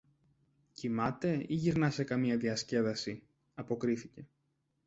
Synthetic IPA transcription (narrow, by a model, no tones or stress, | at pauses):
cimɐt̪e̞iʝiɾnɐse̞kɐmiɐðiɐsce̞ðɐsi | ɐpo̞kɾiθice̞